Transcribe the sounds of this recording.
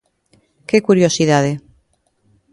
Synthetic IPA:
kekuɾjosiðaðe

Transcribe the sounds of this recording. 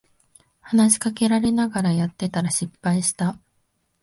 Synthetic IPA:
hanaɕi̥kake̞ɾaɾe̞naɡaɾajat̪ːe̞t̪aɾaɕipːaiɕi̥t̪a

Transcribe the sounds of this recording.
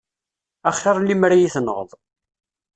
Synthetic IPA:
æχːɑɾˤlːimɾajiθənəʁðˤ

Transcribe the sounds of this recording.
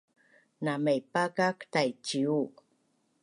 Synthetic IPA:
namejpakaktajt͡ʃiu

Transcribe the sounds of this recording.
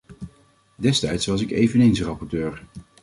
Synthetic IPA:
dɛstɛjtsʋɑs̬ɪkejvənejnsrɑpɔɹtøːɹ

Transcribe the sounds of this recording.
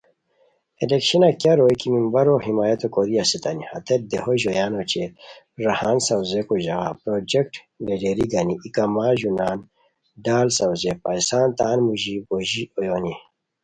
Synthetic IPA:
elekɕɐnakjaɾoːjkimimbɐɾoɦimaːjɐt̪okoɾiasit̪ɐnihɐt̪ed̪ehoʑojaːnot͡ɕe | ɾɐhaːnsɐwzekoʑɐɣa̰pɾoːd͡ʑekʈ | leɖeɾiɡɐniikɐmaːʑunaːn | ɖaːlsɐwzepaːisaːnt̪aːnmuʑiboʑiojoːni

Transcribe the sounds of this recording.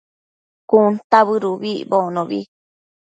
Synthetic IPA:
kunt̪aβɨɾuβibonõβḭ

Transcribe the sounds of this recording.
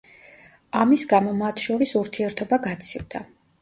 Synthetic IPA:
amisɡamɔmat̪ʰʃɔɾisuɾt̪ʰiɛɾt̪ʰɔbaɡat̪sʰivd̪a

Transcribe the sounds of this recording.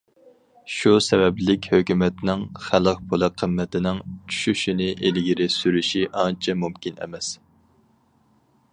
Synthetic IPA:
ʃusɛvɛblɪkʲhøkʲymɛt̪nɪŋχælˠəq̚pʰolˠəqʰːəmːɛt̪ʰɪnɪŋt͡ʃʰy̥ʃyʃinɪʔelɡʲiɾɪsyɾyʃiʔɑnt͡ʃʰɛmumkʲinɛ̰mɛs

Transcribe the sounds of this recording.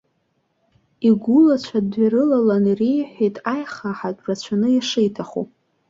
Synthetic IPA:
iɡʷʊlat͡ɕʷʰadɥaɾɨlalanrejħʷᶣejtʼajχaħat͡pʷʼrat͡ɕʷʰanɨjaʂɨjtʰaχo̰

